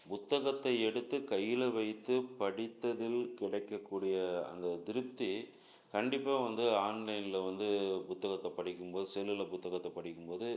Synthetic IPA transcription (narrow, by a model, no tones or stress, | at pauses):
pʊt̪ːɐɣɐt̪ːɐɪɛɽɯt̪ːɯkɐjːɪlɐʋɐɪt̪ːɯpɐɽɪt̪ːɐðɪlkɪɽɐɪkːɐkːuːɽɪjɐɐ̰nd̪ɐd̪ɪɾɯp̚t̪ːi | kɐɳɖɪpːaːʋɐnd̪ɯaːnlɐɪnɪlɐʋɐnd̪ɯpʊt̪ːɐɣɐt̪ːɐpɐɽɪkːɯmpoːðɯsɛlːɪlɐpʊt̪ːɐɣɐt̪ːɐpɐɽɪkːɯmpoːðɯ